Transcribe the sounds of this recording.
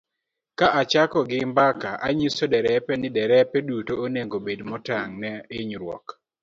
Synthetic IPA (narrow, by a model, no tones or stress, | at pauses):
kaʔat͡ʃakɔɡɪmbakaʔaɲisodɛɾɛpɛnɪdɛɾɛpɛdutooneŋɡobedmɔtaŋnɛɪɲɾwɔ̰k